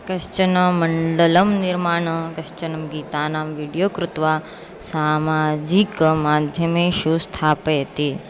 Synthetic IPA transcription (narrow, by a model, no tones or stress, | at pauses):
kɐʃt͡ʃɐnɐmɐɳɖələmniɾmaːɳəkɐʃt͡ʃɐnɐmɡiːt̪aːnaːmʋiɽjoːkɾut̪ʋa | saːmaːd͡ʒikmaːd̪ʱjɐmeʃust̪ʰaːpet̪i